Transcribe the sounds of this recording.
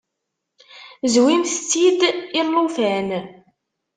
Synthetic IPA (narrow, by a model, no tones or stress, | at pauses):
zwimθt͡sːid̪ilˤːufæn